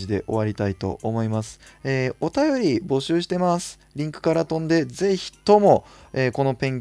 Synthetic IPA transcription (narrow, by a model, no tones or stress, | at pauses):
id̪e̞̰ʔo̞̰βaɾʲit̪ait̪o̞̰ːmo̞imasɨ̥eːo̞t̪ajo̞ɾʲibo̞ɕɨːɕi̥t̪e̞masɨ̥ | ɾʲĩŋkɯ̟̥kaɾat̪õ̞nd̪e̞ze̞ççi̥t̪o̞mo̞eːko̞no̞pẽ̞ŋ